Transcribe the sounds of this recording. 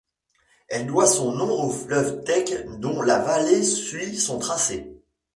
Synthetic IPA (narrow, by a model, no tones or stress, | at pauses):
ɛld̪wasɔ̃nɔ̃bʁoflœvt̪ɛkd̪ɔ̃lavalesɥisɔ̃t̪χase